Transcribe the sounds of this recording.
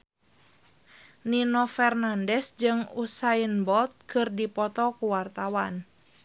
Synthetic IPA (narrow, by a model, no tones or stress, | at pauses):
ninɔfɛrnandɛsd͡ʒɨŋusainbɔlt̪̚kɨrdipɔt̪ɔkuwart̪awan